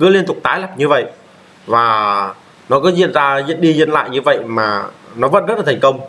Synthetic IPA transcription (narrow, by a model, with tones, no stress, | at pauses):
kɨ˨˦əli˧ənt̪ʊ˨˩k͡p̚t̪aː˨˦jla˨˩p̚ɲɨ˧və̰˧˨j | vaː˨˩ | nɔ˨˦kɔ˨˦zḭ˧˨nzaː˧zḭ˧˨nɗi˧zɨ˧ənla̰ː˧˨jɲɨ˧və̰˧˨jmaː˨˩nɔ˨˦və̰˧˥nzt̚laː˨˩tʰŋ̟kə˧wŋ͡m